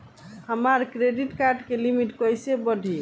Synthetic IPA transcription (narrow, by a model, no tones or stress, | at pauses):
həmaɾkɾeɖiʈkaɾɖkelimiʈkəjsebəɖʱi